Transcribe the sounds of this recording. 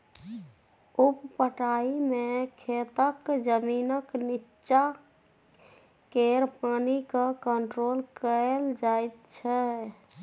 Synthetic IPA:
uppəʈaimekʰet̪əkd͡ʒəminəknitːt͡ʃa | keɾpanikəkəɳʈɾolkəld͡ʒajt̪̚t͡ʃʰɛ

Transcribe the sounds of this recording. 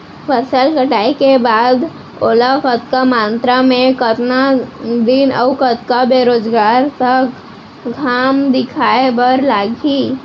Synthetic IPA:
pʰəsəlkəʈaːikebaːd̪ | oːlakət̪̚kamãːnt̪ɾamẽkət̪nad̪inəʊkət̪kabeːɾoːd͡ʒɡaːɾt̪ək | ɡʱaːmd̪ɪkʰaːebəɾlaːɡʱi

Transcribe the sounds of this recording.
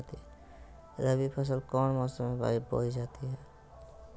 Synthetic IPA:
t̪iɦɛ | ɾəbipʰəs̬əlkɔːnmɔsomeba̰ibo̰id͡ʒat̪iɦɛ

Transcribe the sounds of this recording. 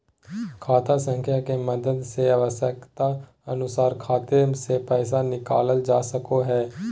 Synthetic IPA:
kʰaːt̪asə̃ŋkʰjakeməd̪əd̪seəʋəsjəkt̪a | ənʊsaːɾkʰaːt̪esepɛːsanɪkaːləld͡ʒaːsəkoɦɛː

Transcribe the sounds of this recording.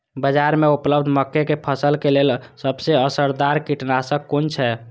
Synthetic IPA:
bəd͡ʒaɾmeupləbd̪ʱməkːekepʰəsəlkelelsəbseəsəɾd̪aɾkiʈnasə̃kːunt͡ʃʰɛ

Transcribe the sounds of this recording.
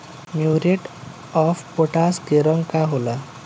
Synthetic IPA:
mjuɾeʈ | ɔfpoʈaskeɾɔŋkaɦola

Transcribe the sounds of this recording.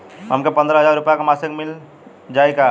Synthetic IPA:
ɦəmkepə̃nd̪ɾəɦəd͡ʒaɾːupjakamasəkmil | d͡ʒajka

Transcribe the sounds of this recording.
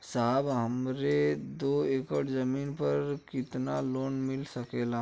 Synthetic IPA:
saɦbɦəmɾed̪oːeːkəʈzəmiːnpəɾkɪt̪naloːnmɪlsəkeːlaː

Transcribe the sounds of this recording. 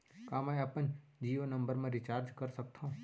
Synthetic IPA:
kaːmɛːɐpənd͡ʒiːonɐ̃mbəɾmẽɾɪt͡ʃaːɾd͡ʒkɐɾsɐk̚t̪ʰaɦũ

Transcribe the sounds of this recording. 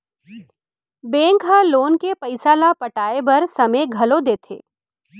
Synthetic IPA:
bẽːŋkɦãloːnkepɐɪsalapɐʈaːebɐɾsɐmeɡʱɐlod̪eːt̪ʰḛː

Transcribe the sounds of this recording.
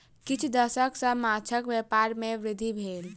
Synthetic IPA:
kɪt͡ʃʰd̪əsəksə̃mat͡ʃʰəkʋepaɾmẽʋɾɪd̪ʱːibʱeːl

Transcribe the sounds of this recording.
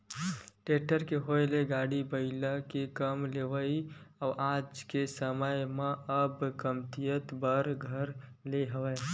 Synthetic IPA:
ʈeʈəɾkeɦoeleɡaɽibəɪləkekəmleʋəiaʔad͡ʒkesəməjmeʔəbkəmt̪ijət̪bəɾɡʱəɾleɦəʋə

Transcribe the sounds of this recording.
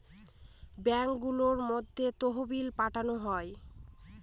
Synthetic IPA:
bɛŋkɡuloɾmod̪ʱːet̪oɦobilpaʈʰanoɦɔe

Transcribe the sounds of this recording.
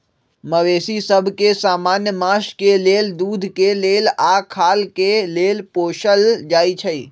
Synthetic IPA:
məʋeːsisəbʱkesaːmaːnjəmãʃkeleːld̪uːd̪ʱkeleːlakʰaːlkeleːlpoːʃəld͡ʒaːit͡ʃʰəḭː

